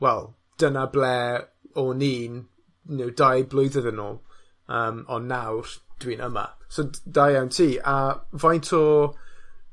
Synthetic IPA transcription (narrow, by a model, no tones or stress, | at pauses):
wɛlˠ | d̥ənablɛ | ɔniːn | nɪwdajblˠʊɨðəðənɔ̰ːlˠ | əːmɔnːawrd̥wiːnəma̰sod̥ajawntʰiːavajntʰɔ